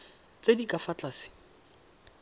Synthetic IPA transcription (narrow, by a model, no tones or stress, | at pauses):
t͡sedikʼafat͡ɬʼaːsɪ̥